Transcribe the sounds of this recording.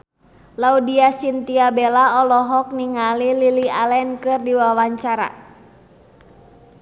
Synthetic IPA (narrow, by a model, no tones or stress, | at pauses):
laudiasint̪iabelaɔlɔɦɔk̚niŋalililialɛnkɨrdiwawaɲt͡ʃaɾa̰